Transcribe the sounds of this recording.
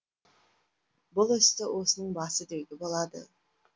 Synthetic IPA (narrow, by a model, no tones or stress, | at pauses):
bʊlˠʏst̪ɪwo̞sənəɴbɑsəd̪ewd̪ʲɪbolˠɑd̪ə̰